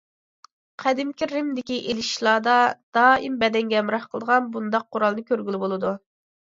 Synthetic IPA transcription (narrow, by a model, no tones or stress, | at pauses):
qʰæd̪ɪmkʲʰiːɪmd̪ɪkʲiʔelɪʃlˠɑːd̪ɑd̪̥ɑːimbɛd̪ɛŋɡʲɛmɾɑhqʰəlˠd̪əʁɑnbund̪ɑq̚ʰːʊɾɑlˠnɨkʲøɾɡʲylɪbolˠɨd̪u